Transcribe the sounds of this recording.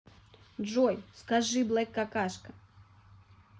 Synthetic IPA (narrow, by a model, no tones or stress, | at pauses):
ʐɔjskaʐɨblˠɛkːakaʂkɐ